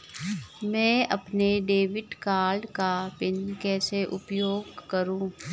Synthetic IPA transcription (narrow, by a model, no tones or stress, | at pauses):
mɛ̃ːɐpneɖeːʋɪʈkaːlɖkapɪnkɛːseʔʊpjoːɡkəɾũː